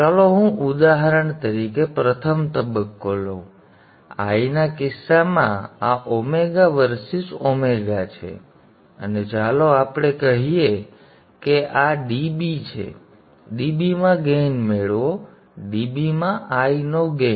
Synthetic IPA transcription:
t͡ʃaloɦũʔud̪aɦəɾəɳt̪əɾikepɾət̪ʰəmt̪əbəkːolo | a̰inakɪsːamã̰aʔomeɡaʋəɾsɪsomeɡat͡ʃʰḛ | ə̰ned͡ʒaloapɽ̃ekəɦije | keʔaɖibit͡ʃʰḛ | ɖibimãɡenmeɭo | ɖibimãʔainoɡe

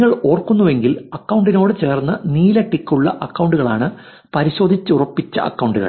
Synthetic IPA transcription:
ŋːɐɭo̞ːrkːunːuʋe̞ŋɡilɐkːɐwɳɖino̞ːɽɨt͡ɕe̞ːrnːɐniːlɐʈːikːuɭːɐ̰ʔɐkːɐwɳɖuɣɐɭaːɳɨ | pɐɾiɕo̞ːd̪ʱit͡ɕːɨurɐpːit͡ɕːɐ̰ʔɐ̰kːɐwɳɖuɣɐ̰ɭ

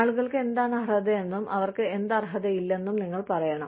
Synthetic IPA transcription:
aːɭuɣɐɭkɨe̞nd̪aːɳɐrɐd̪ɐenːumʔɐ̰ʋɐrkɨend̪ɐrɦɐðɐjilːɐe̞nːumniŋːɐɭpɐrɐjɐɳɐm

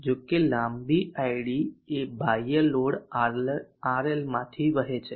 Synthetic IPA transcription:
d͡ʒokelãmbiʔaiɽiebʱajəloɽ | aɾelmãt̪ʰiʋəɦet͡ʃʰe

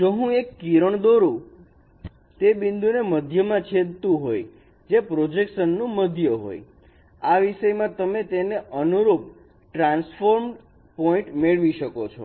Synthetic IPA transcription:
d͡ʒoɦũekːiɾəɳd̪oɾũ | t̪ebind̪ʱuneməd̪ʱjəmãt͡ʃʰed̪̚ʱt̪ũɦoj | d͡ʒepɾod͡ʒekʃənːũməd̪ʱjəɦo̰j | aʋiʃəjmãt̪əmet̪eneʔənuɾup̚ | ʈɾãnsfoɾm | poĩʈmeɭʋiʃəkot͡ʃʰɔ̰

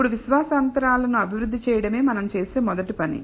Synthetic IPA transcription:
uɽuʋiʃʋaːsɐɐnt̪ɐɾaːlɐnuɐbʱiʋɾud̪ːit͡ʃɛːjɐɽɐme̞ːmɐnɐmt͡ʃe̞ːse̞ːmɔd̪ɐʈipɐnḭ

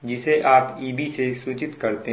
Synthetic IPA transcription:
d͡ʒɪseʔaːpiːbisesuːt͡ʃɪt̪kɐɾt̪e

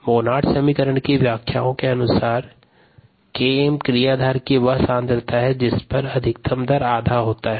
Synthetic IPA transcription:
moːnaːʈʰsɐmikəɾəɳ̃kiʋjaːkʰja̰ːõkeɐnʊsaːɾ | kemkɾijaːd̪ʱaːɾkiʋɐɦsãːnd̪əɾt̪aɦɛd͡ʒɪspɐɾɐd̪ʱɪkt̪ɐmd̪əɾaːd̪ʱaɦoːt̪aɦɛː

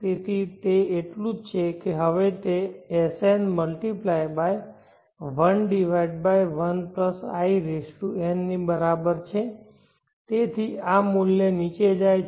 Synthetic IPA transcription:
pet̪ʰit̪eːʈlũd͡ʒt͡ʃʰekeɦəʋet̪eesenməlʈiplajbaj | ʋənɖiʋaiɖ̚bajʋənpləsa̰iɾesʈuenːibəɾabəɾt͡ʃʰe | t̪et̪ʰiamulːenit͡ʃed͡ʒaj

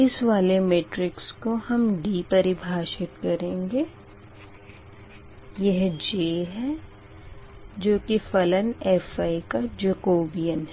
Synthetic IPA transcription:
ɪsʋaːlemeːʈɾɪkskohɐmɖiːpɐɾɪbʱaːʃɪt̪̚kɐɾẽːŋɡeː | jɐɦd͡ʒeːɦɛ | d͡ʒoːkifɐlənɛːfaːikad͡ʒɐkoːbijənɦɛ

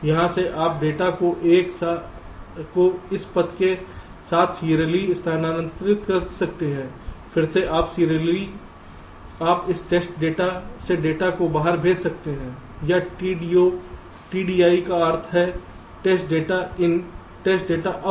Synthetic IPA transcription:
jɐɦãseʔaːp̚ɖeːʈakoʔeːksa | koɪspɐt̪ke | saːt̪ʰsiːɾəliɪst̪ʰaːnaːɾə̃nt̪ɾɪt̪kɐɾsɐk̚t̪eɦɛ̃ːfʰɪɾseʔaːpsiːɾəli | aːpɪsʈeːsʈɖeːʈaseɖeːʈakobaːɦəɾbʱeːd͡ʒsɐk̚t̪eɦɛ̃ː | jaio | ʈiːɖiːaːikaəːɾt̪ʰɦɛ | ʈeːsʈ̚ɖeːʈaɪn | ʈeːsʈ̚ɖeːʈaʔ

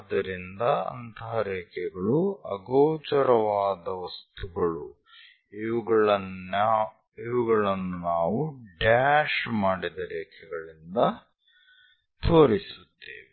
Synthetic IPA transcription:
d̪ɐɾind̪ɐɐ̰nt̪ʰɐɦɐɾeːkʰɛɡɐɭuɐ̰ɡoːt͡ʃɐɾɐʋaːd̪ɐʋɐst̪uɡɐɭu | iuɡɐɭɐ | iʋuɡɐɭɐnːunaːʋuɖaːʃmaːɽid̪ɐɾeːkʰɛɡɐɭind̪ɐ | t̪ʰoːɾisut̪ːḛːʋi

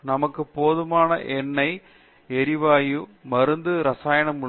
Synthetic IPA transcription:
nɐmɐkːɯpoːðɯmaːnɐʔɛnːɐɪ | ɛɾɪʋaːjɯmɐɾɯnd̪ɯɾɐsaːjɐɳɐmʊ

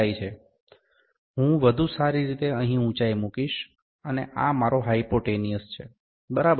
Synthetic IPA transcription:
ajt͡ʃʰe | ɦũʋəd̪ʱusaɾiɾit̪eəɦĩũt͡ʃajmukiʃ | əneʔamaɾoɦaipoʈenijəst͡ʃʰe | bəɾab

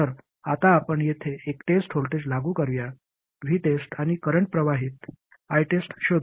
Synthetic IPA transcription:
əɾ | at̪aːpəɳjet̪ʰeʔekʈesʈɦolʈed͡ʑlaɡuːkəɾʋja | ʋʱiːʈesʈañikəɾəɳʈ̚pɾəʋaɦit̪ | ajʈesʈɕod̪

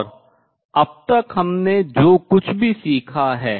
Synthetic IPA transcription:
ɾ | ɐb̚t̪ɐkɦɐmned͡ʒoːkʊt͡ʃʰbʱisiːkʰaɦɛː

